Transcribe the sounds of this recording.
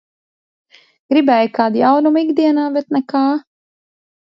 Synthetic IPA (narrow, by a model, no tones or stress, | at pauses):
ɡɾibɛːjkaːd̪jawnumiɡd̪iɛnaːbɛt̪nɛkaː